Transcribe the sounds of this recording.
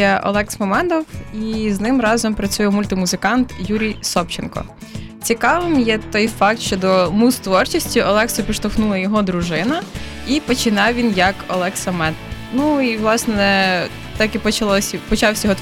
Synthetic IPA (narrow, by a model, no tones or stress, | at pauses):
ɛʔɔ̰lˠɛksmɔmɛd̪ɔwiznɪmrɑzɔmpɾɐt͡sʲujɛmulʲt̪ɪmuzɪkɑnt̪juɾʲijsɔpt͡ʃɪnkɔ̰ | t͡sʲikɑʋɪmjɛt̪ɔjfɑk̚t̪ʃt͡ʃɔd̪ɔmust̪ʋɔrt͡ʃisʲtʲiɔlˠɛksɔpʲiʃt̪ɔxnulˠɐjɔɦɔd̪ɾʊʒɪnɐ | ipɔt͡ʃɪnɑwʋʲinjɐkɔlˠɛksɐmɛd̪nuiʋlˠɑsnɛ | t̪ɑkipɔt͡ʃɐlˠɔsʲpɔt͡ʃɑwsʲjɔt̪